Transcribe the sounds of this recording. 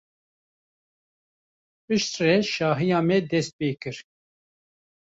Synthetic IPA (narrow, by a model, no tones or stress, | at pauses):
pɨʃt̪rɛʃɑːɦijɑːmɛd̪ɛst̪̚peːkɨɾ